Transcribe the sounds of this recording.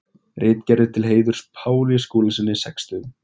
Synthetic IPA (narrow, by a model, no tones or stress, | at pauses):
rʔɪːt̪cɛɾðɪt̪ʰɪlɦeːjðʏɾ̥spʰaːwlijaskoːlasɪnːɪsɛkst̪ʏ